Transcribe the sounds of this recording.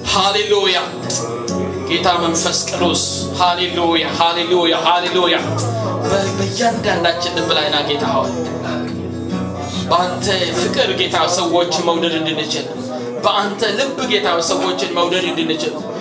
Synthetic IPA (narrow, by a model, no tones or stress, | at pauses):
haleloja | ɡe̞t̪ʰaməɱfəskʼɨdos | halelujahalelujaɦalelojabbəjːand̪and̪at͡ʃːɪnlɨbːlajnaɡe̞t̪ʰaw̰n | bəant̪ʰəɨkʼɨɾɡe̞t̪ʰawsəwo̞t͡ʃːɪməwd̪əd̪ɨnd̪ɨnːɨt͡ʃɪl | bəʔant̪ʰəlɨbːɨɡe̞t̪ʰawsəwːo̞t͡ʃːɪnməwd̪əd̪ɨnd̪ɨnːɨt͡ʃɪl